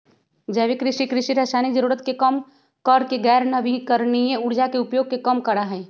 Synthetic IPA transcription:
d͡ʒɛːʋekɾɪʃikɾɪʃiɾəsaːnid͡ʒəɾuːɾət̪kekəm | kɔɾkeɡɛːɾnəbʱikəɾnijeʊɽd͡ʒakeʊpjoːɡ̚kekəmkəɽaɦɛː

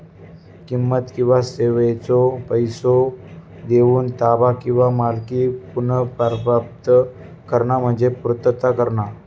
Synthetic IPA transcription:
kimːət̪kĩw̃ʋaseʋəjt͡sopəjso | d̪eʋuːnt̪abakĩw̃ʋamalkiːpunəpaɾpap̚t̪ə | kəɾɳam̤əɳd͡zepɾut̪ət̪akəɾɳa

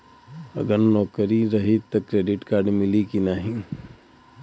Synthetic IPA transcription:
ɐ̰ɡəɾnɔːkəɾiɾɐɦit̪ɐkɾeːɖɪʈkaːɾɖmɪlikinaːɦĩ

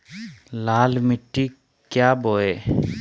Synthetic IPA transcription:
laːlmiʈːi | kjaːboe

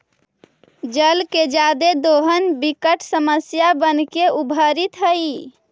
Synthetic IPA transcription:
d͡ʒəlked͡ʒad̪ed̪oɦənbikəʈʰsəməsjabənkeubʱəɾit̪ɦəi

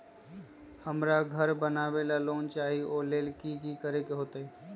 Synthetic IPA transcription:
həmɾaɡʱəɾbənaːʋelaloːnt͡ʃaːɦioːleːlkikikəɾekeɦoːt̪aiː

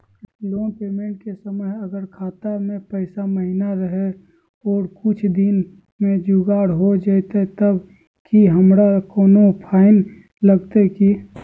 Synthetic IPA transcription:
loːnpeːmẽːɳʈ̚kesəməɦəɡəɾkʰaːt̪amẽpəɪsaməɦinaɾəɦe | ɔːɾkʊt͡ʃʰd̪in | mẽd͡ʒuɡaːɽɦod͡ʒaɪt̪et̪əb | kiɦəmɾakoːnopʰaːɪn | ləɡt̪eki

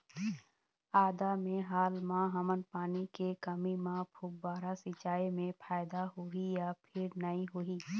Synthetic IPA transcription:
aːd̪amẽɦaːlmãɦəmənpaːnikekəmimãpʰʊb̚baːɾasɪt͡ʃaːimẽpʰaːɪd̪aɦʊijapʰɪɾnɐɦĩɦʊiː

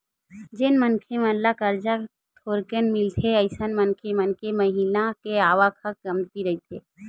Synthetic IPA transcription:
d͡ʒɪnmənkʰemɐlːakɐɾd͡ʒa | t̪ʰoːɾkənmɪlt̪ʰeɐɪsənmɐnkʰemɐnkemɐɦinakeaːʋakʰək̚ɡɐmt̪iɾɐɦit̪ʰeː

